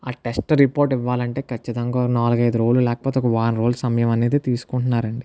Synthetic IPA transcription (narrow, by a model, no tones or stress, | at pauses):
aːʈesʈɾipoːɾʈiʋːaːlɐɳʈe̞ːkʰɐt͡ʃːit̪ɐŋɡaːnaːluɡɐjd̪uɾo̞ːlːulɛːkɐ̥pot̪ekɐʋaːnɾo̞ːlsɐmɐjɐmɐne̞ːd̪et̪iːsu̥kuɳʈunːaːɾɐɳɖi